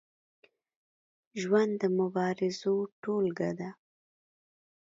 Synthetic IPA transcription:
ʒwand̪əmʊbɑɾɪzoʈolɡad̪a

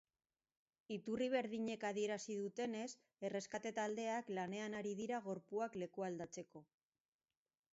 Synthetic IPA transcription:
it̪uriβ̞e̞ɾðiɲe̞kaðie̞ɾasiðut̪e̞ne̞s | e̞re̞skat̪e̞t̪ald̪e̞aklane̞anaɾiðiɾaɣ̞o̞ɾpuakle̞kuald̪at͡se̞ko̞

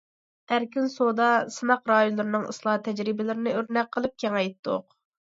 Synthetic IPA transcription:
æɾkʲinsod̪ɑsɨnɑqɾɑːjunlˠɨɾɨnɨŋɨ̰slˠɑt̪ʰɛd͡ʒɾɪbɪlɪɾɪnɪøɾnɛk̚ʲqʰːəlˠɨp̚kʲʰɛŋɛjt̪ʰːʊ̰q

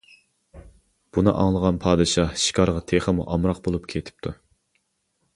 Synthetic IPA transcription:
b̥unɨ̰ʔɑ̰ŋlˠəʁɑnpʰɑːd̪ɨʃɑʃi̥kʰɑɾʁɑt̪ʰeχəmṵʔɑmɾɑq̚bolˠupkʲʰet̪ʰɪ̥p̚t̪ʰu

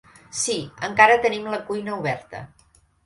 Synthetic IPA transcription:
siəŋkaɾət̪ənimləkujnəuβɛɾt̪ə̰

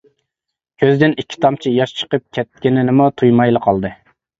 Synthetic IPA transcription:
kʲʰøzd̪ɪnikʲʰːi̥t̪ʰɑmt͡ʃʰijɑʃt͡ʃʰə̥qəp̚kʲʰɛt̪̚kʲɪnɪnɪmut̪ʰujmɑjlˠəqʰɑlˠd̪ɨ

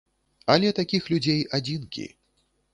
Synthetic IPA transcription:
ɐlʲɛt̪akʲixlʲud͡zʲejad͡zʲinkʲḭ

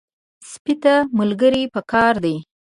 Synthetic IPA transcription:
spit̪amʊlɡəɾipəkɑɾd̪i

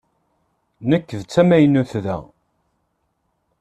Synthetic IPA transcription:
nəkːəðt͡sːæmæjnːuθðæ̰

